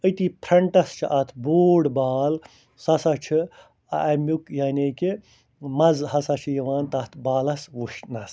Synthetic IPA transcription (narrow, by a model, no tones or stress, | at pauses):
ət̪iːpʰɾɐɳʈɐst͡ʃʰiʔɐt̪ʰboːɽbaːl | sɐsɐt͡ʃʰi | ɐ̰ʔɐmukjaːnʲeki | mɐzhɐsɐt͡ʃʰijɐʋaːnt̪ɐt̪ʰbaːlɐsʋuʃnɐs